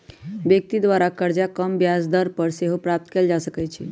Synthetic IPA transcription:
bjək̚t̪id̪ʋaɾakəɾd͡ʒakəmbjasd̪əɾpəɾseɦopɾap̚t̪keld͡ʒasəkɛt͡ʃʰḭ

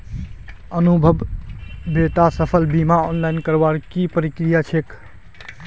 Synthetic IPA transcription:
ənubʱəb | bet̪asəpʰəlbimaɔnlajnkəɾbaɽkipəɾikɾijat͡ʃʰek

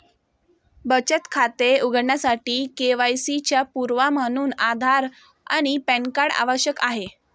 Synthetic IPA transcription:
bət͡ɕət̪kʰat̪euɡəɽɳjasaʈiːkeʋajsit͡ɕjapuɾʋamañuːnad̪ʱaɾ | a̰ɽ̃ipɛɳkaɽa̰ʋəɕjəkaɦe

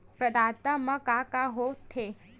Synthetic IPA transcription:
pɾɐd̪aːt̪əmɐkakaɦot̪ʰe

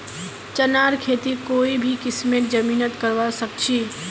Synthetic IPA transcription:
t͡ʃənaɾkʰet̪ikoibʱikɪsmeʈ̚d͡ʒəmiːnət̪kəɾʋasək̚t͡ʃʰi

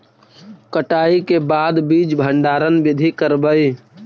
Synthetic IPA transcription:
kəʈaːikebaːd̪biːd͡ʒbʱəɳɖaːɾənbɪd̪ʱikəɾbəi

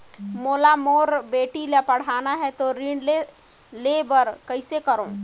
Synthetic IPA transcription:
moːlamoːɾbeːʈilepəɽ̤aːnaɦɛt̪oɾiːɳle | lebəɾkəɪsekəɾõː

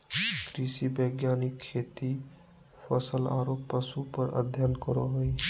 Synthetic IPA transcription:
kɾiːsibəɡjaːnɪkʰːeːt̪i | pʰəsəlaːɾoːpːəsupəɾə̰d̪ʱjənkəɾo̰ɦoi

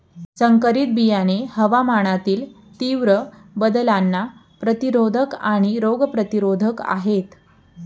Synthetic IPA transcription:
səŋkəɾiːt̪̚bijanehəʋamaɳ̃at̪iːl | t̪iʋɾəbəd̪əlanːa | pɾət̪iɾod̪ʱəkaɽ̃iɾoɡpɾət̪iɾod̪ʱəka̰ɦet̪

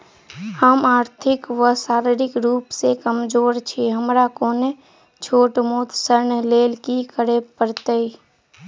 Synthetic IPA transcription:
həmaːɾt̪ʰɪkʋəsaːɾɪɾɪkɾuːpsekəmd͡ʒoːɾt͡ʃʰiɦəmɾakoːne | t͡ʃʰoːʈmoːt̪səɾɳleːlkikəɾepəɾt̪ei

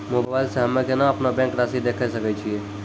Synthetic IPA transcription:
mobaːɪlseɦɐmẽkenaɐpnabɛ̃ːŋkɾaːsid̪eːkʰesɐket͡ʃʰieː

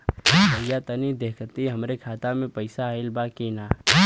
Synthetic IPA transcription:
ɦəjat̪ənid̪eːkʰt̪iɦɐmɾekʰaːt̪amẽpɐɪsaɪlbaːkinaː

